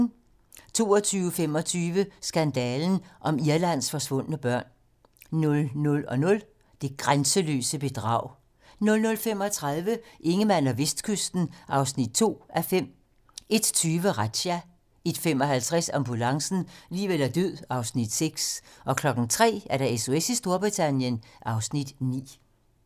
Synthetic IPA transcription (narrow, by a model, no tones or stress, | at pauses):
t͡sʰo̝̰ːɒt͡sʰyːʊəfem̰ɒ̽t͡sʰyːʋəsɡ̥ænd̥ɛːln̩ʔɒ̽miɐlæn̰sfɒ̽sʋɔ̽n̰ənəb̥ɶɐ̰n | nɔ̽lnɔ̽lɒ̽nɔ̽l | d̥e̝ɡ̥ʁansəlø̰ːsəb̥e̝d̥ʁɑ̰̈ʊ̰ | nɔ̽lnɔ̽lfem̰ɒ̽t͡sʰʁɑð̞ˠʋəʔe̝ŋəmæn̰ɒʋe̝sd̥kʰøsd̥n̩ʔɑ̈ʊsnid̥̚t͡sʰo̝̰ːʔæfem̰ | e̝d̥t͡sʰyːʋəʁad̥ɕæ | e̝d̥fem̰ɒ̽ɦælt͡sʰʁasɒmb̥ulɑ̈ŋsn̩liːʋelæɐd̥øð̰ˠɑ̈ʊsnid̥seɡ̥sʔɒ̽kʰlɒ̽ɡ̥n̩t͡sʰʁɛ̰ːæɐɾæ̈eso̝esisd̥o̝ɐb̥ʁit͡sʰænjənʔɑ̈ʊsnid̥nḭː